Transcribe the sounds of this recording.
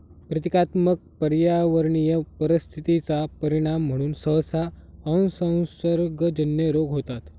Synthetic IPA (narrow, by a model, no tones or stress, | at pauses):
pɾət̪ikat̪mək̚pəɾjaʋəɾɳijəpəɾist̪ʰit̪it͡sapəɾiɽ̃am̤ːəɽ̃uːnsəsaənsə̃w̃səɾɡd͡ʑənjəɾoɡɦot̪at̪